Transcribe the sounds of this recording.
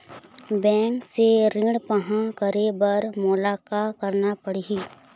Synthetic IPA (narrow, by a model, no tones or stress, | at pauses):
bɛ̃ːŋkseɾɪ̃ɽpəɦãkəɾebəɾmʊlaːkakəɾnapəɽiɦiː